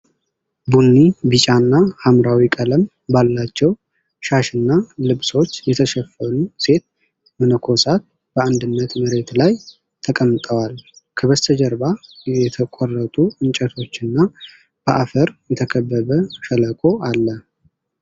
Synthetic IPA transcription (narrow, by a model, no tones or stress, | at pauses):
bunːibɨt͡ʃʼanːahamɾawikʼələm | balːat͡ʃːɛw | ʃaʃɨnːalɨβso̞t͡ʃːjɛt̪ʰəʃɛfːənuse̞t̪̚ | mənəkʰo̞sat̪̚ | b̥əand̪ɨnːət̪məɾe̞t̪laj | t̪ʰəkʼəmːt̪ʼəwalkʰəbəst̪ʰəd͡ʒɛɾbajɛt̪ʰəkʷʼɔrːət̪ʼuɨnt͡ʃʼɛt̪ʰo̞t͡ʃːɨnːa | b̥əʔafəɾjɛt̪ʰəkʰəbːəβəʃələkʼo̞alːə